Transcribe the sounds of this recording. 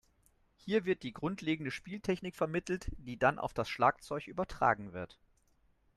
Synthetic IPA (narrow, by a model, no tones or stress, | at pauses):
hiːɐvɪɐt̚d̥iːɡʁʊntʰleːɡŋ̩dəʃpiːltʰɛçnɪkfɛɐmɪtl̩td̥iːdanʔa̰ʊfd̥asʃlaːk̚t͡sɔʏçʔyːbɐtʁ̥a̰ːɡŋ̩vɪɐt